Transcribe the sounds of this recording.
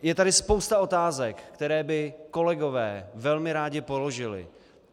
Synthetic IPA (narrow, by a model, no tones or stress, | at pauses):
jɛt̪adɪspo̞wst̪ao̞t̪aːzɛkːt̪ɛɾɛːbɪko̞lɛɡo̞vɛːvɛlmɪɾaːɟɪpolo̞ʒɪlɪ̰